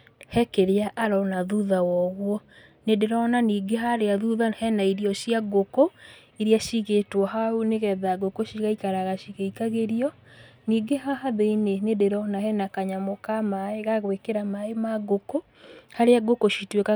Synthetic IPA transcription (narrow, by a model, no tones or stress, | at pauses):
hɛkeɾeaʔːɾɔnaðuðawɔɣwɔ | nedeɾɔnaniːɡeɦaɾeaðuðahɛnaiɾiɔʃjaɡoko | iɾiaʃiɣetwɔɦaoneɣɛðaɣokoʃiɣaikaɾaɣaʃiɣeikaɣeɾiɔ | niːɡeɦaɦaðeinenedeɾɔnahɛnakaɲamokamaeɣaɣwekeɾamaemaɣoko | haɾeaɡokoʃitweka